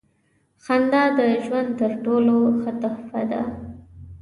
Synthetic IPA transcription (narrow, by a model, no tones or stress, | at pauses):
xand̪ɑd̪əʒwand̪̚t̪əɾʈoloxət̪ahfad̪a̰